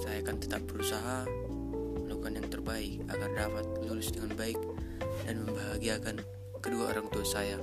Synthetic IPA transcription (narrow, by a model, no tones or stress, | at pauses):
sajakant̪ə̥t̪ap̚bəɾusaɦa | məlaukanjaŋt̪ərbaɪk̚a̰ɡardapat̪̚lulʊsdəŋanbaɪk̚danməmbaɦaɡiakan | kəduao̰ɾaŋt̪uasaja